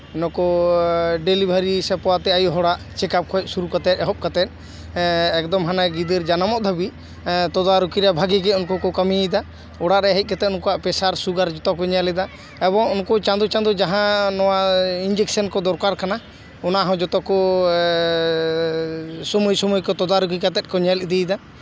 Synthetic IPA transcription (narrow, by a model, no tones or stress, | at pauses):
nɔkɔ | ɖelibʱaɾisɛpɔwat̪ɛajuɦɔɽaʔt͡ʃɛkap̚kʰɔjc̪̚ˀsuɾukat̪ɛt̪ˀɛɦɔp̚kat̪ɛt̪̚ˀ | ɛkd̪ɔmɦanaɡid̪ɛɾd͡ʒanamɔʔd̪ʱabi | t̪ɔd̪aɾukiɾabʱaɡikɛunkɔkɔkamiɛjd̪a | ɔɽaʔɾɛɦɛc̪̚ˀkat̪ɛt̪ɔnkɔwaʔpɛsaɾsuɡaɾd͡ʒɔt̪ɔkɔɲalɛd̪a | ɛbɔŋunkɔt͡ʃãnd̪ut͡ʃãnd̪ud͡ʒaɦãnɔwaind͡ʒɛk̚sənkɔd̪ɔɾkaɾkana | ɔnaɦɔ̃d͡ʒɔt̪ɔkɔ | sɔmujsɔmujkɔt̪ɔd̪aɾukikat̪ɛt̪̚kɔɲaliʔd̪ɛjd̪a